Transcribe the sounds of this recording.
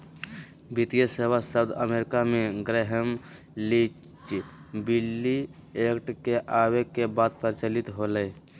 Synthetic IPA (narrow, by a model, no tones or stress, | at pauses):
bit̪ijəseːwasəʊd̪əmeɾɪkamẽɡɾeɦəm | li | t͡ʃbilːi | ekʈkeʔawekebaːd̪̚pəɾt͡ʃəlit̪ɦoləː